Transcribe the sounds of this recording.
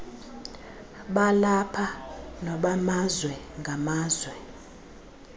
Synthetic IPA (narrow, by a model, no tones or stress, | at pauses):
ɓalapʰanɔɓamazwɛ | ŋɡʱamaːzwɛ